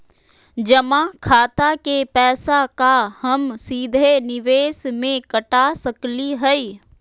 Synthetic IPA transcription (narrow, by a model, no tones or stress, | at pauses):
d͡ʒɐmãkʰaːt̪akepɛːsakahɐmsiːd̪ʱenɪʋeːsmẽkɐʈasɐkliɦɛi